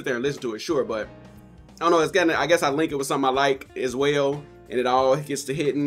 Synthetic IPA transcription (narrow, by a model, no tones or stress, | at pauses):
t̪̚ðə˞ɨ̃nlɪsn̩tʰəɨtʃʊɹbʌt̚ | õnoʊɨtsɡ̥ʌnɨa̰ɪɡɛsaɪlɪ̃ŋkɨt̚wɨð̥sʌ̃mθɪ̃maɪlaɪkɨzwɛlˠ | ʔɨ̃nɨɾɔlˠɡɛtstʰɨɦɪʔn̩